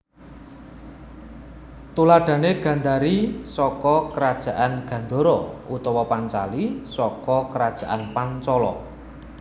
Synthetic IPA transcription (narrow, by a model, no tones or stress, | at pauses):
t̪ulaɖ̥a̤neɡ̥ä̤nd̪aɾisɔkɔkəɾad̥ʒ̥ä̤ʔanɡ̥ä̤nd̪o̤ɾɔʔut̪ɔwɔpant͡ʃalisɔkɔkəɾad̥ʒ̥ä̤ʔanpant͡ʃɔlɔ̰